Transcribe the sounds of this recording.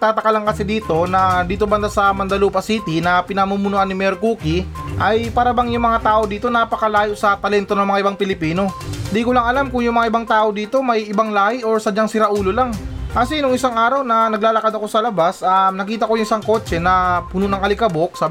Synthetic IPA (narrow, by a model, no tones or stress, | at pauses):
t̪aːt̪ɐkɐlɐŋkɐsid̪iːt̪o̞nɐd̪iːt̪o̞bɐnd̪asɐmɐnd̪ɐluːpɐsit̪inɐpɪnɐmumʊnoʔɐnːɪmɛɾkuːkiʔɐjpaɾɐbaŋjʊŋmɐŋat̪aːʔo̞d̪iːt̪o̞naːpɐkɐlaːjoʔsɐt̪ɐlɛnt̪o̞nɐŋmɐŋaʔɪbaŋpɪlɪpiːno̞nd̪iːkʊlɐŋɐlamkʊŋjʊŋmɐŋaʔɪbaŋt̪aːʔo̞d̪iːt̪o̞mɐjʔɪbaŋlaːhɪʔoɹsɐd͡ʒaŋsɪɾɐʔuːlolaŋkɐsinʊŋɪsaŋʔaːɾɐwnɐnɐɡ̚laːlɐkɐd̪ɐko̞sɐlɐbasɐnɐkiːt̪̬ɐko̞jʊŋʔɪsaŋko̞ːt͡ʃɛnɐpunʊnɐŋɐlɪkɐbo̞k̚sa